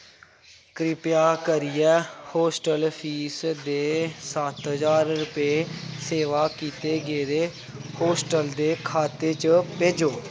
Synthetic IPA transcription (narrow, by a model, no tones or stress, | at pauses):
kɾɪpjaːkəɾɪjɛːhoːsʈəlpʰiːsd̪eːsət̪ɦəzaːɾɾʊpeːseːʋaːkiːt̪eːɡeːd̪eː | hoːsʈəld̪eːkʰaːt̪eːt͡ʃped͡ʒoː